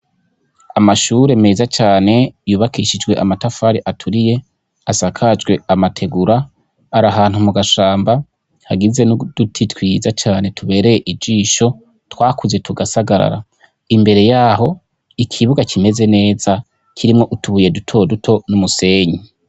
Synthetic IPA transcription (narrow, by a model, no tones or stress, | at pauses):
amaʃuːɾe̞mezat͡ʃaːne̞juːβakʰiʃid͡ʒɡwe̞ʔamatafaːɾiʔatʰuɾije̞ | asakʰad͡ʒɡwe̞amatʰe̞ɡuɾa | aɾaɦaːn̥humuɡaʃaːmba | haɡize̞nud̥utʰitwiːzat͡ʃaːne̞tʰuβe̞ːɾe̞je̞ʔibd͡ʒiːʃo̞ | twaːkuze̞tʰuɡasaɡaɾa̰ɾa̰ | imbe̞ɾe̞jaːɦo̞ | ikʰiβuɡakʰime̞ze̞ne̞ːza | cʰiɾimŋo̞ʔutʰuβuje̞dutʰo̞dutʰo̞numuse̞ɲi